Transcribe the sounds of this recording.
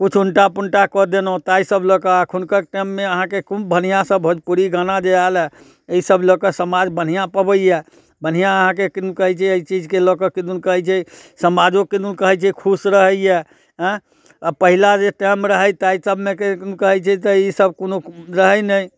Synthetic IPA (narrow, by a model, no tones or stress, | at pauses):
kut͡ʃʰuɳʈapuɳʈakəd̪enot̪aisəblɔkəakʰunkəʈəmːeəɦãkekumbən̤ijãsəbɦod͡ʒpuɾiɡanad͡ʒealɛ | eisəblɔkəsəmad͡ʒbən̤ijãpəbəjjɛ | bən̤ijãəɦãkekiukəɦɛt͡ʃʰɛəit͡ʃid͡ʒkelɔkəkid̪unkəɦɛt͡ʃʰɛsəmad͡ʒokid̪unkəɦɛt͡ʃʰɛkʰusɾəɦəjjɛ | ɦə̃ | apəɦilad͡ʒeʈəmɾəɦəjt̪aisəbʱmekekəɦɛt͡ʃʰɛt̪əisəb̚konoɾəɦəjnəj